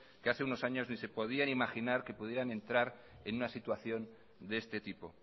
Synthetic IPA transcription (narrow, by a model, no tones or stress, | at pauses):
keaθe̞unosaɲo̞znise̞po̞ð̞ianimaxinaɾke̞puð̞je̞ɾanẽ̞nt̪ɾaɾe̞nunasit̪waθjo̞n | d̪eest̪e̞t̪ipo̞